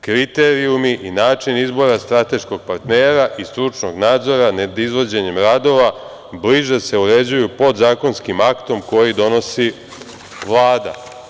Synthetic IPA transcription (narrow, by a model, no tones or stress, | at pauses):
kɾit̪e̞ɾijumiʔinaːt͡ʃinizbo̞ɾast̪ɾat̪e̞ʃko̞ɡ̚paɾt̪neːɾaʔist̪ɾut͡ʂno̞ɡnaːd̪zo̞ɾaned̪izʋo̞d͡ʑe̞ɲe̞mɾad̪o̞ʋa | bliʒese̞uɾe̞d͡ʑujupo̞d̪zaːko̞nskimakt̪o̞mko̞jid̪o̞no̞si | ʋlˠaːd̪a̰